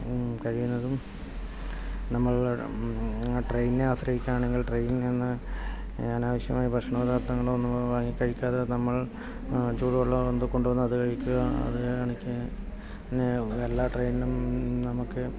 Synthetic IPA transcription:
kɐɻijunːɐðum | nɐmːɐɭ | ʈrejnineaːsɾɐɣikʲːanaːɳe̞ŋɡiɭʈrejnnenːɨ | ɐnaːʋɐɕjɐmaːjibʱɐʂɳɐʋɐd̪ʱaːrt̪ɐŋːɐɭonːuʋaːŋːikʲːɐɻikʲːaːðenɐmːɐɭ | t͡ɕuːɻiʋuɭːɐond̪ɨko̞ɳɖuʋɐnːuɐðɨkɐɻikʲːuɣɐɐ̰ðɨaɳikʲːɨ | pinːeelːaːʈrejninumnɐmukːɨ

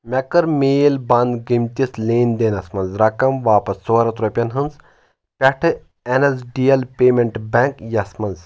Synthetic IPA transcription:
mʲɐkɐɾmʲeːlbɐnd̪ɡimt̪ʲisleːnd̪enɐsmɐnzɾɐkɐmʋaːpɐsːoːɾɐt̪ɾopʲɐnɦɨnz | pʲɐʈʰɨ | enɐsɖiːɐlpʲeːmeɳʈbeŋkjɐsmɐnz

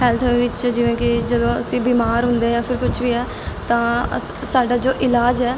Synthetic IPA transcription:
ɦɛːlt̪ʰːʋɪt͡ʃd͡ʒɪʋẽːkɪd͡ʒəd̪õːəsĩːbiːmaːɾɦʊ̃nd̪eːãːpʰɪɾkʊt͡ʃʰʋiːɛː | t̪ãːə | saːɖaːd͡ʒoːʔɪlaːd͡ʒɛː

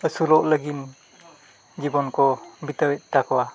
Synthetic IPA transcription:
əsulɔʔləɡin | d͡ʒibɔnkɔbitəwɛt̪̚takʰɔwa

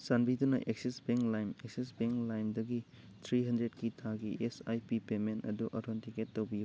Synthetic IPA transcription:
sanbidunɐ̰ʔek̚sisbeŋklajmeksisbeŋklajmdɐɡi | tʰɾiɦɐndɾetkitʰaɡiʔesajpipementɐ̰duʔɐɾʰontiketːowbiju

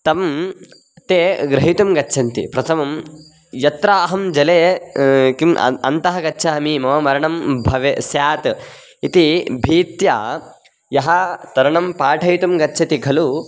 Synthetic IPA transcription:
t̪ɐm | t̪eːɡɾɐɦit̪umɡɐtːʃʰɐnt̪ḭpɾɐt̪ʰɐmɐm | jɐt̪ɾaːɦɐmd͡ʒɐleː | kimɐ̰ɐ̰nt̪ɐɦɐɡɐtːʃʰaːɐmimɐʋɐmɐɾɐɳɐmbʱɐʋesjaːt̪ | it̪ibʱiːt̪jaː | jɐɦɐt̪ɐɾɐɳɐmpaːʈʰɐjt̪umɡɐtːʃʰɐt̪iɡʱɐlu

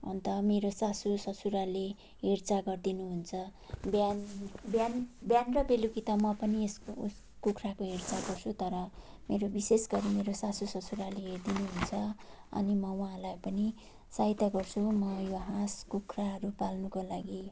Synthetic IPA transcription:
ʌ̰nt̪ʌmeɾosasusʌsʰuɾale | ɦert͡saɡʌrd̪inuɦunt͡sʰʌbjanbjanbjanrʌbelukit̪amʌpʌniesṵs | kukrakoɦert͡saɡʌrt͡sʰut̪ʌɾʌ | meɾobisesɡʌɾimeɾosasusʌt͡suɾaleɦerd̪inuɦunt͡sʰʌ | ʌ̰nimʌwaɦalajpʌni | sait̪aɡʌrt͡sʰumʌjoɦãskukʰraɦʌɾupalnukolaɡi

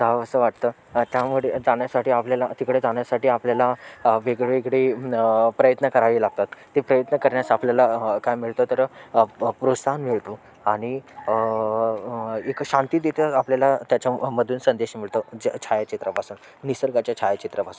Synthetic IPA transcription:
d͡zaəsəːʋaʈ̚t̪əː | t̪jamuɭed͡zaɳjasaʈiːapljalat̪ikɽed͡zaɳjasaʈiːapljalaʋeɡɭeʋekɽipɾəjət̪nəkəɾaʋilaɡ̚t̪at̪ːepɾəjət̪nəkəɾɳjasapljalakajmiɭt̪ot̪əɾ | pɾosʰanmiɭt̪u | aɽ̃i | ekɕãnt̪iːd̪et̪eapljalat̪jat͡ɕjaməd̪ʱuːnsənd̪eɕmiɭt̪od͡ʑt͡ɕʰajat͡ɕit̪ɾəpasuːn | nisəɾɡat͡ɕjat͡ɕʰajat͡ɕit̪ɾəpasuːn

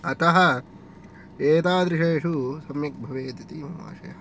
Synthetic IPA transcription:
ɐt̪ɐɦɐ̆ | eːt̪aːd̪ɾiʃeːʃusɐmjɐk̚bʱɐʋeːt̪it̪iːmɐma̰ːʃɐ̰jɐɦɐ

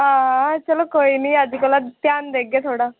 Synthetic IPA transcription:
ɦãːt͡ʃəlokoːiniad͡ʒikolat̪jaːnd̪eɡet̪ʰoːɽaː

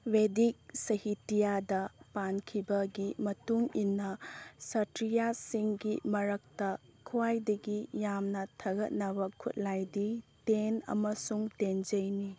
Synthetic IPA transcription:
wedik̚sɐhitijadɐpankʰibɐɡimɐtuŋinːɐsɐtɾijasiŋɡimɐɾɐk̚tɐkʰuwajdɐɡijamnɐtʰɐɡɐt̚nɐbɐkʰṵt̚lajditenɐ̰mɐsuŋtend͡ʒɐjni

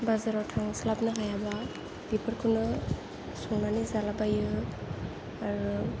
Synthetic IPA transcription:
bazaɾawtʰaŋslap̚nɯɦajaba | bipʰɯɾkʰunɯ | sɔŋnanizalabajɯ | aɾu

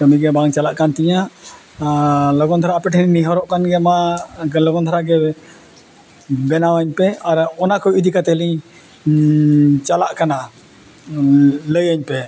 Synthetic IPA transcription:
kəmiɡɛbaŋt͡ʃalaʔkant̪iɲa | lɔɡɔnt̪ʰaɾapɛʈʰəniniɦɔɾɔʔkanɡɛmalɔɡɔnt̪ʰaɾaɡɛ | bɛnawaɲpɛaɾɔnakɔʔid̪ikat̪ɛliɲ | t͡ʃalaʔkana | ləjaɲpɛ

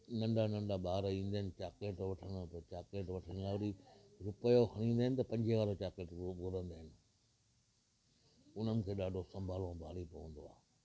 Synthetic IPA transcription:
nɐ̃ɳɖanɐ̃ɳɖaɓaːɾĩːn̆d̪aːɪnɪ̆t͡ɕaːkeːʈʋɐʈʰənt̪ɐt͡ɕaːkeːʈʋɐʈʰənlaːʊɾiɾʊpəjohɐɽ̃ĩːnd̪aːɪnɪ̆t̪ɐpɐ̃ɲd͡ʑʱeʋaːɾot͡ɕaːkeːʈɡoɾə̃nd̪aːɦɪnɪ̆ | ʊn̤ənɪ̆kʰeːɗaːɖʱosɐ̃mbʱaːlõbʱaːlipɐʋə̃nd̪oa̰ː

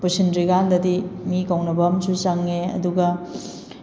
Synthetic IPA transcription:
pusindɾiɡandɐdimikawnɐbɐmsut͡ʃaŋːeɐ̰duɡɐ

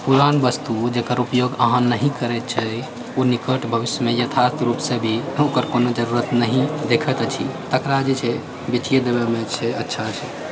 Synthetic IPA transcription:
puɾanbəst̪ud͡ʒekəɾupjoɡəɦə̃nːəɦĩkəɾɛt̪̚t͡ʃʰɛ | onikəʈbʱəʋisjəmejət̪ʰast̪ʰɾupsəbʱiokəɾkonod͡ʒəɾuɾət̪nəɦĩd̪ekʰət̪t͡ʃʰḭt̪əkɾad͡ʒet͡ʃʰɛ | biʈʰijed̪ebemet͡ʃʰɛətːʃʰat͡ʃʰɛ

